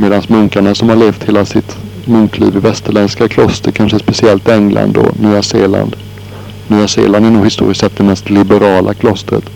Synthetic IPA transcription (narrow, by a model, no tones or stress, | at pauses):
meːd̪ansmɵŋkaɳasɔmhaɭeːft̪heːlasɪt̪ | mɵŋklḭːvɪvɛst̪əɭɛnskakʰlɔst̪əɾkʰanʂəspɛsɪɛlt̪ɪɛŋla̰nd̪ɔ̰nyːaseːla̰nd̪ | nyːasḛːland̪æɳuːɡhɪst̪ṵːɾɪsɛt̪̚ːd̪ɛmɛst̪lɪbɛɾɑːlʔa̰kʰlɔst̪ɾə̰t̪